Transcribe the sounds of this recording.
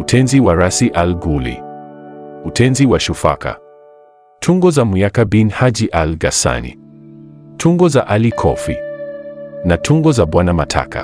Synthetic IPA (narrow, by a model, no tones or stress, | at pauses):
utʰɛnziwaɾasiʔalɡulḭ | utʰɛnziwaʃufa̰ka̰ | tʰuŋɡɔzamujakabinhad͡ʒiʔalɡasa̰nḭ | tʰuŋɡɔzaʔalikʰɔ̰fi | natʰuŋɡɔzaɓwanamatʰa̰kʰa̰